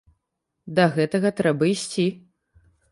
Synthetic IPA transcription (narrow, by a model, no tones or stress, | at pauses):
d̪ɐɣɛt̪ɐɣɐt̪ɾɛbɐisʲt͡sʲi